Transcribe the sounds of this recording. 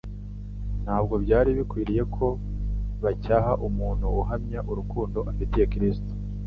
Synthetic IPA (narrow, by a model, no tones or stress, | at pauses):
n̥haːbɡo̞bɟaːɾiβikwiːɾije̞kʰo̞βacaːhaʔumuːn̥huːɦamɲaʔuɾukuːndo̞ʔafitije̞kɾisto̥